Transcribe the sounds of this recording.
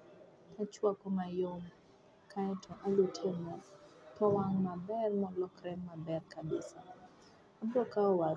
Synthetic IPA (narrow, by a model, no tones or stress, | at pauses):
at͡ʃwakɔmajom | kʰaɛtʰɔʔalutʰemɔtɔwaŋmabɛrmɔlɔkɾɛmːabɛrkabɪsa | abɔkaɔwa